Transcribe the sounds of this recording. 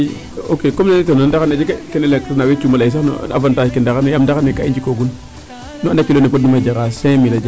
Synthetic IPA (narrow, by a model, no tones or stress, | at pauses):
okekomnenitenandakaned͡ʒikkenelekɾunawet͡ʃumalais̬ano̰a̰fantaːd͡ʒkindakanejamdakanekaind͡ʒikoɡun | nuandakilonipot̚nimad͡ʒaɾasẽmilad͡ʒ